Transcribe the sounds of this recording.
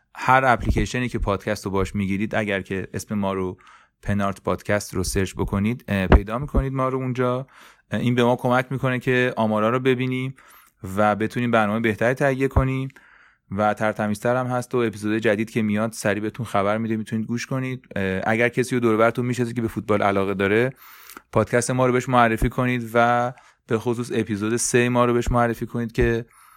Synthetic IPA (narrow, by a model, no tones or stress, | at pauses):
hæɾæpliceʃe̞niːcʰe̞pʰɒːd̪̥cʰæst̪ʰobɒʃmiɟiːɾiːd̪æɟæɾcʰe̞ʔesme̞mɒːɾo | pʰe̞nɒɾt̪ʰpʰɒːd̪̥cʰæst̪roseɾt͡ʃbokʰo̞nid̪pʰe̞jd̪ɒːmikʰo̞niːd̪mɒːɾound͡ʒɒː | inbe̞mɒːkʰo̞mæcʰmiːkʰo̞ne̞cʰe̞ɒːmɒːɾɒːɾobe̞biːniː | væbe̞t̪ʰuːniːbæɾnɒːmejbe̞ht̪ʰæɾiːt̪ʰæijːe̞kʰo̞ni | væt̪ʰæɾt̪ʰæmiːst̪æɾæmhæst̪o̞e̞piːzod̪ed͡ʒæd̪iːd̪̚cʰe̞mijɒd̪̥sæɾibeet̪ʰunxæbæɾmid̪emit̪ʰuniːd̪̚ɡuːʃko̞niːd̪̥̚æ̰ɟæɾcʰesiːjod̪oɾeβæɾt̪unmiːʃnɑsi̥cʰebe̞fut̪̚bɒːlʔælɒːɣe̞d̪ɒːɾe̞ | pʰɒːd̪̥̚cʰæst̪emɒːɾobeʃmoærːe̞fiːkʰo̞niːd̪væ | b̥exosuːse̞pʰizoːd̪e̞semɒːɾobe̞eʃmoærːefiːkʰo̞niːd̪̥̚cʰe̞